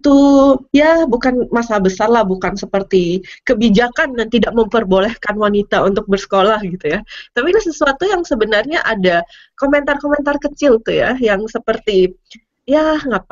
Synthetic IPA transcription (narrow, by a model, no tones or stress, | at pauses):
t̪ujabukanmasabəsarlahbukansəpərt̪ikəbid͡ʒakandant̪idaʔ̚məmpərbolɛhkanwanit̪aunt̪ʊk̚bərsə̥kolahɡit̪ujat̪apilahsəsuat̪ujaŋsəbənarɲaʔada | koment̪arkoment̪arkət͡ʃɪlt̪ujajaŋsəpərt̪i | jaŋap̚a